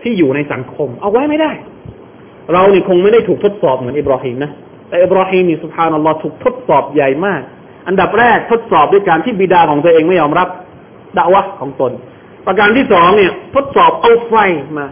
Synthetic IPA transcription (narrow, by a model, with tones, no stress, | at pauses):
t̪ʰiː˥˩juː˨˩na˧jsa̰˩˦ŋkʰo˧mʔa˧wa˦˥jma˥˩jdaː˥˩j | ɾa˧wni˥˩kʰo˧ŋma˥˩jda˥˩jt̪ʰuː˨˩kt̪ʰo˦˥t̪̚sɔː˨˩p̚mɯ˩˦nʔi˨˧b̚ɾɔː˧hiː˧mna˦˥ | t̪ɛː˨˩ʔi˨˩b̚ɾɔː˧hiː˧mni˥˩su˨˩p̚haː˧nʔa˧lːɔː˦˥t̪ʰuː˨˩k̚t̪ʰo˦˥t̪̚sɔː˨˩p̚ja˨˩jmaː˥˩k̚ | ʔa˧nda˨˩p̚ɾɛː˥˩k̚t̪ʰo˦˥t̪̚sɔː˨˩p̚du˥˩˨jkaː˧nt̪ʰiː˥˩biː˧˩daː˧kʰɔː˩˦ŋt̪o˧ʔeː˧ŋma˥˩jɔː˧mɾa˦˥p̚ | da˧ʔwa˦˥hkʰɔː˩˦ŋt̪o˧n | pɾa˧k̬aː˧nt̪ʰiː˥˩sɔː˩˦ŋni˥˩ɐt̪ʰo˦˥t̪̚sɔː˨˩p̚ʔa˧wfa˧jmaː˧